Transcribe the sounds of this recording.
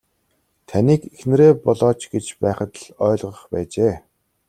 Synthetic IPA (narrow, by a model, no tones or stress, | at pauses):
t̪ʰæniːkexnɘ̆ɾeːpɔɮɔːt͡ɕɡet͡ɕpæːχə̆t̪ɮœːɮʁə̆χpæːt͡ɕeː